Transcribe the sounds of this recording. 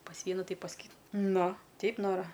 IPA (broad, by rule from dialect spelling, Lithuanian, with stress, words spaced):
pɐs ˈʋʲiɛnʊ ˈtɐɪ pɐs ˈkʲiː ˈnʊ ˈtʲɛɪp ˈnoːrɐ